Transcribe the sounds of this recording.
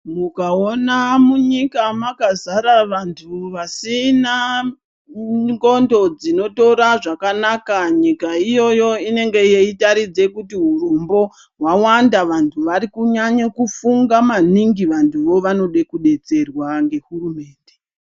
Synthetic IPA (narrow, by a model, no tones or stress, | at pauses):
mukaonamuɲikamakazaɾaʋantʰuʋasina | ŋɡo̞ndo̞d͡zino̞to̞ɾaʐakanakaɲikaijo̞jo̞ine̞ŋɡe̞jeitaɾid͡ze̞kutiɦurumbo̞ | ɦwawandaʋantʰuʋaɾikuɲaɲakufuŋɡamaniŋɡiʋantʰuʋo̞ʋano̞ɗekuɗe̞t͡se̞rwaŋɡe̞ɦurume̞ːnde